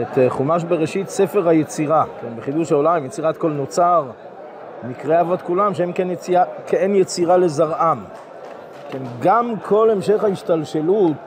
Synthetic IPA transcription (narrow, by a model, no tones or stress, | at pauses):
et̪χumaʃ̬beʁeʃitse̞feʁajet͡siʁakenbeχid̪uʃaolaimjet͡siʁat̪ko̞lno̞t͡saʁ | mikʁeavot̪kulamʃeemkenjet͡siakʰeenjet͡siʁale̞zaʁʔam | kenɡamkʰo̞le̞mʃe̞χhaiʃtalʃelut